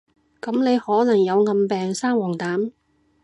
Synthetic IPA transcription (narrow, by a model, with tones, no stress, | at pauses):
kɐ˨˥mne˨˧jhɔː˨˥nɐ˨˩ŋjɐ˨˧wŋɐ˧mpɛː˨ŋsaː˥ŋwɔː˨˩ŋt̪aː˨˥m